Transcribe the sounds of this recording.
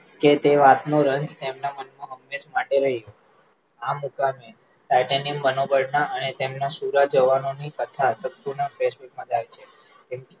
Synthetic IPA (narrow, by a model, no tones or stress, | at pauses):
ket̪eʋat̪noɾəɲd͡ʒt̪emnamənmuɦəmːed͡ʒmaʈeɾəɦijo | amukame | ʈaʈenimbənobəɽnaʔənet̪emnasuɾad͡ʒəʋanonikət̪ʰat̪ət̪ːunafeʃbiʈmãd͡ʒajt͡ʃʰe | t̪em